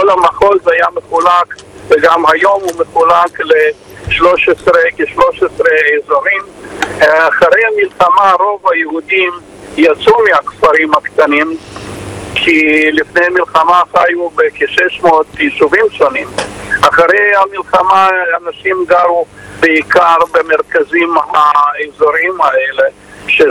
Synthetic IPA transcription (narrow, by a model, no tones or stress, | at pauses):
kolamaχo̞lzajameχulakveɡamhajo̞mumeχulakle | ʃlo̞ʃesʁekeʃloʃesʁeːzoʁim | aχaɾejhamilχamaɾo̞vajehudim | jat͡sumeakfaɾimhakt̪anim | kʰilifnejamilχamaχajubekeʃeʃmoot̪iʃuvimʃonimaχaʁejhamilχamaanaʃimɡaɾub̥eikaʁbemeʁkazimhaezoɾimaele | ʃe